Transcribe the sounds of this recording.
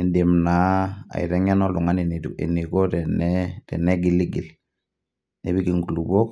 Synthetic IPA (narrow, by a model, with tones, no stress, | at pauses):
i˨nde˨mna˨a̰˨ḭ˨ɾɛ˦ŋɛ˦nɔ˦lu˨ŋa˦ni˨n˨ḛ˨ni˨ko˦tɛ˨nɛtɛ̰˨nɛ˦ɡi˨li˦ɡi˨l | nɛ˦bi˦ɡi˨ŋɡu˨lu˨bo˦k